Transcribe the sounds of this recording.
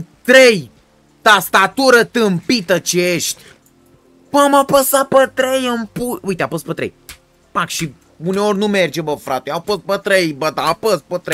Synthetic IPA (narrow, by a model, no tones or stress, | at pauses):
t̪ɾej | t̪ast̪at̪uɾət̪ɨmpit̪ət͡ʃejeʃt̪ʲ | mmapəsapət̪ɾejampuujt̪eapəspət̪ɾḛj | pakʃi | uneorʲnumerd͡ʒebəfɾat̪eawpəs̚pət̪ɾejbəd̪apəs̚pət̪ɾej